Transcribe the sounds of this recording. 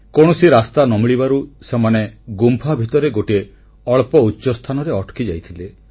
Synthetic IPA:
koɽ̃ɔsiɾast̪anɔmiɭibaɾusemaneɡumpʰabʱit̪ɔɾeɡoʈe | ɔɭpɔutːʃɔst̪ʰanɔɾeɔʈʰkid͡ʒajt̪ʰile

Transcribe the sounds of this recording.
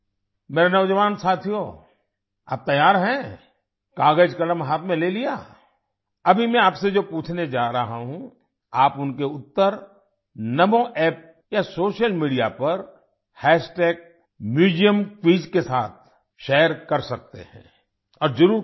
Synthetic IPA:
meːɾenɐʋd͡ʒəʋaːnsaːt̪ʰijo | a̰ːp̚t̪ɐjaːɾɦɛ̃ː | kaːɡəd͡ʒkɐɽəmɦaːt̪ʰmẽleːlijaː | ɐbʱimɛ̃aːpsed͡ʒoːpuːt͡ʃʰned͡ʒaːɾɐɦaɦũ | aːpʊnkeʊt̪ːəɾ | nɐmoʔɛːp̚ | jasoːʃəlmiːɖijapɐɾ | hɛːsʈeːk̚ | mjuːd͡ʒijəmkʋiːd͡ʒkesaːt̪̚ʰ | ʃeːəɾkɐɾsɐk̚t̪ḛɦɛ̰̃ː | ɔːɾd͡ʒʊɾuː

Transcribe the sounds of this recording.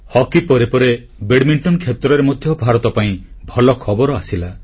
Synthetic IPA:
hɔkipɔɾepɔɾe | beɽmiɳʈɔnkʰjet̪ɾɔɾemɔd̪ʱjɔbʱaɾɔt̪ɔpaĩbʱɔlɔkʰɔbɔɾɔasila

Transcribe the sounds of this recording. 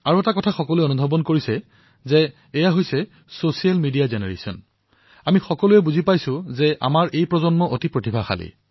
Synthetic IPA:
aɹuɛtakɔtʰaxɔkɔlʊɛonubʱɔbɔnkoɹisɛ | zɛː | jaɦojsɛ | sosialmidijazɛnɛɹḛsɔ̰n | amixɔkɔlujɛbuzipajsʊ̃zɛʔa̰maɹʔejpɹɔzɔnmɔʔotipɹotibʱaxa̰lḭ

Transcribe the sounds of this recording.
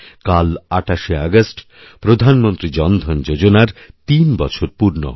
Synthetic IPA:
kalaʈaʃeaɡasʈ | pɾod̪ʱanmont̪ɾid͡ʑɔnd̪ʱɔnd͡ʒod͡ʑonaɾt̪inbɔt͡ɕʰoɾpuɾno̰

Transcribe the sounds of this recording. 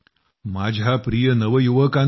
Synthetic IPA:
mad͡ʑʱapɾijənəʋəjuʋəkã

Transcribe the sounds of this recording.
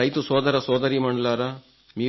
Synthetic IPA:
ɐjt̪usɔːd̪ɐɾɐsɔːd̪ɐɾiːmɐɳɖɐlaːɾɐ | miː

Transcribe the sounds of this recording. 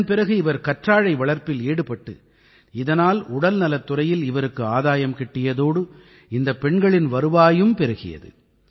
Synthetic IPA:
npɪɾɐɣɯɪʋɐɾkɐʈraːɻɐɪʋɐɭɐɾpɪleːɽɯpɐʈːɯ̰ | ɪðɐnaːlʊɽɐlnɐlɐt̪ːʊɾɐjɪlɪʋɐɾɯkːɯaːðaːjɐmkɪʈːɪjɐðoːɽɯ | ɪnd̪ɐpːɛɳɡɐɭɪnʋɐɾɯʋaːjɯmpɛɾɯɣɪ̰jɐ̰ðɯ̰

